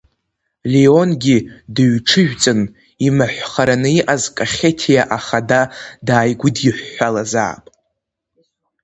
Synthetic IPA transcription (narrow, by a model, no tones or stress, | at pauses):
lio̞nɡʲidɨɥʈ͡ʂʰɨʒᶣt͡sʼɨn | imaħʷχaɾanɨiʔazkʼaχʲetʰijaʔaχadadaːjɡʷʊdjɪħʷːalaza̰ːpʼ